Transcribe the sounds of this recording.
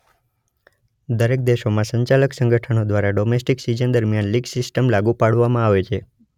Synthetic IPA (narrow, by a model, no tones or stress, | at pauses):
d̪əɾek̚d̪eʃomãsəɲt͡ʃaləksə̃ŋɡəʈʰənod̪ʋaɾaɖomesʈiksid͡ʒənd̪əɾmjanliɡsɪsʈəmlaɡupaɽʋamãaʋet͡ʃʰe